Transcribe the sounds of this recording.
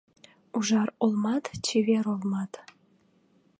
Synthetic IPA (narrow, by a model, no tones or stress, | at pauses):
uʒɑrolˠmɑt̪t͡ɕiβeɾolmɑt̪